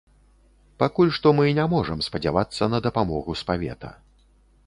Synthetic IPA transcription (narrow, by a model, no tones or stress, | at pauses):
pakulʲʂt̪ɔmɨnʲamɔʐɐmspɐd͡zʲavat̪sːɐnɐd̪ɐpamɔɣuspavʲɛ̰t̪ɐ̰